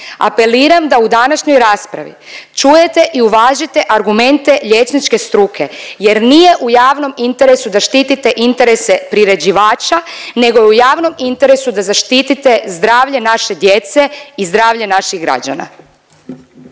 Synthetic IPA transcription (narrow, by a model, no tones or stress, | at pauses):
a̰pe̞liːɾamd̪aud̪anaʃɲo̞jɾaːspɾa̰ʋḭt͡ʃuje̞t̪e̞ʔiuʋaːʒit̪e̞ʔaɾɡume̞nt̪e̞ʎe̞t͡ʃnit͡ʃke̞st̪ɾukʰe̞je̞ɾnije̞ʔujaːʋno̞mint̪e̞ɾe̞sud̪aʃt̪iːt̪it̪e̞ʔint̪e̞ɾe̞se̞pɾiɾe̞d͡ʑiʋaːt͡ʃane̞ɡo̞ujaːʋno̞mint̪e̞ɾe̞sud̪azaʃt̪it̪it̪e̞zd̪ɾaːʋʎe̞naʃe̞d̪jet̪se̞izd̪ɾaːʋʎenaʃiɣɡɾa̰d͡ʑa̰na̰